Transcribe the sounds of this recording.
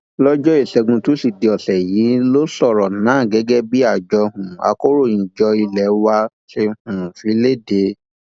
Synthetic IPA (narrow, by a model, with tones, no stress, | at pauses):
lɔ˦d͡ʒɔ˦i˦˨sɛ˧ɡũ˧tu˦si˦˨de˨˦ɔ˨ɬɛ˨jiː˨˦lo˦sɔ˦˨ɾɔ˨nãː˨˦˨ɡɛ˨˦ɡɛ˦bi˦a˦˨d͡ʒɔ˧ɦũ˨a̰˧ko˦ɾo˦˨jĩ˨d͡ʒɔ˧i˧lɛ˨˦wa˧ | ʃe˧hũ˨fi˨˦le˦˨de˧